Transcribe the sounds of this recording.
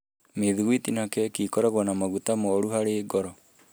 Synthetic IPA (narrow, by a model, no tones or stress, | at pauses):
meðiɣwitinakɛkiːkɔɾɛɣwɔnamaɣutamoɔɾuɦaɾeːɡɔɾɔ